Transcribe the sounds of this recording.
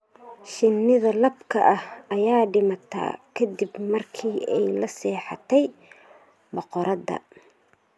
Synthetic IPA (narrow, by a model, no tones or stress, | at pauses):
ʃɪnːɪðɐlɐbkʰɐʔɐhɐjaːɖɪmɐt̪ʰa̰ːkʰɐd̪ibmɐrkʰiːʔɛjlɐsɛːħɑ̰t̪ʰɛj | bɔqɔɾʔɐd̪ɐ̰